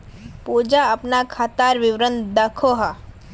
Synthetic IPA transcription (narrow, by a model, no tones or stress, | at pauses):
pud͡ʒaɐpnakʰat̪aːɾʋɪʋɾənd̪ɐkʰoɦa